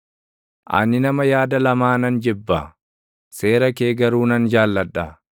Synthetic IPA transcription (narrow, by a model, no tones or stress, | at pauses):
ʔɐ̰nɪnɐmɐjaːd̪ɐlɐmaːnɐnd͡ʒɪbːɐ̰ | se̞ːɾɐkeːɡɐɾuːnɐnd͡ʒaːlːɐᶑːɐ